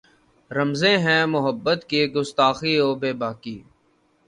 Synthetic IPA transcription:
ɾəmzẽːɦɛ̃ːmʊɦəbːət̪keɡʊst̪aːxiːoːbeːbaːkiː

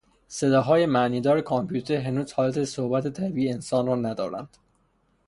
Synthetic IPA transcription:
se̞d̪ɒːɦɒːje̞mæʔniːd̪ɒːɾekʰompʰuːt̪ʰeɾɦenuːz̥hɒːlæt̪ʰesohbæt̪ʰet̪ʰæbiːeːnsɒːnrɒːnæd̪ɒ̰ːɾæ̰nd̪̥

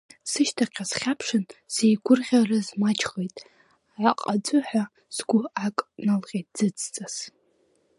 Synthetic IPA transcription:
sɨʃtʰaqʲʰasχʲapʰʂɨnsejɡʷʊrʁʲarɨzmat͡ʃʰχejtʼ | ʕaqʼad͡zʷʼʊħʷᶣa | z̥ɡʷʊakʼnalʁʲejtʼz̥ɨt͡sʰʼt͡sʼaz̥

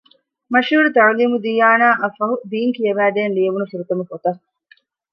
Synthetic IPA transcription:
mɐʃuːɾut̪ɐɻuliːmud̪ijaːnaːʔɐfɐɦud̪iːŋkijɐʋæːd̪eːnliɐʋunufuɾut̪ɐmufot̪ɐ

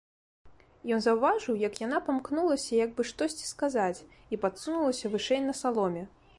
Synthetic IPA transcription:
jɔnzɐwvaʐɨwjɐkjanapamknulˠɐsʲɐjaɡ̚bɨʂt̪ɔsʲt͡sʲi̥skazat͡sʲ | ipat̪sunulˠɐsʲɐvɨʂɛjnɐsalˠɔmʲɛ

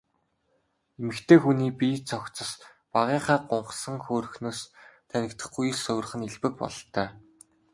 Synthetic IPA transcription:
emɘ̆kt̪ʰeːxuniːpiːt͡sʰɔkt͡sə̆s | paʁiːχaːɢʊɴɢsə̆ŋxoːɾɵ̆xnoːst̪ʰːænʲɪ̆kt̪ə̆χɡuj̆ɮsʊw̆ʲrχɘ̆niɮpɘ̆k̚pɔ̰ɮt̪œː

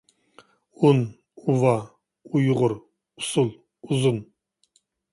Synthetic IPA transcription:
un | uvɑ | ujuʁʊɾ | usulˠ | uzun

